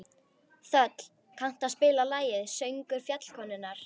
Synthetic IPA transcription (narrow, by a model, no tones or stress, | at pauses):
θœt̪l̥ | kʰawn̥t̪aðspɪːlalaːjɪðsœɥŋkʏɾ̥fjat̪l̥kʰɔːnʏnːaɾ̥